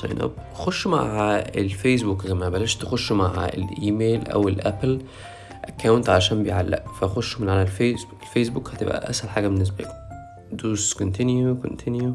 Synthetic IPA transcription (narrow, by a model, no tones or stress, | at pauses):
sˤɑ̰jnʔɑ̰b | xoʃːma̰ʕaḛlfejs̬bukzæmæbælæːʃt̪exoʃːmaʕa̰ḛlʔiːmeːlʔæ̰welʔæpl | ʔækːæwnt̪ʕalæʃæːmbejʕalːæ̰ʔfæxoʃːmenʕalælfeselfes̬bukhæt̪ebʔæ̰ʔæ̰shælħaːɡæbenːes̬bæ̰k | d̪uːskont̪injuko̰nt̪ʰinju